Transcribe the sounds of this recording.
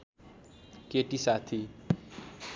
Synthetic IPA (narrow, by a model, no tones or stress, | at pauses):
keʈisat̪ʰi